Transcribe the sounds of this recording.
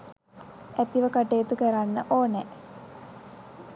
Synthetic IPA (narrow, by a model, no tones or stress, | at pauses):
æt̪iʋəkaʈeːt̪ukæɾanːəʔoːnɛ